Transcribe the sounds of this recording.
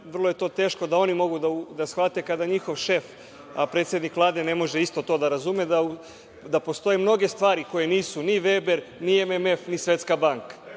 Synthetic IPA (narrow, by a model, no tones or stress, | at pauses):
ʋr̩lˠo̞je̞t̪o̞ːt̪e̞ːʃko̞d̪ao̞nimo̞ɡud̪aud̪asxʋat̪e̞kad̪aɲixo̞ʋʃe̞f | apɾe̞t̪sje̞d̪nikʋlˠaːd̪e̞ne̞mo̞ʒeist̪o̞t̪o̞d̪aɾazumed̪a | d̪apo̞st̪o̞jemno̞ɡe̞st̪ʋaːɾiko̞je̞niːsuniʋeːbe̞ɾniememefnisʋe̞t̪skabaŋkḁ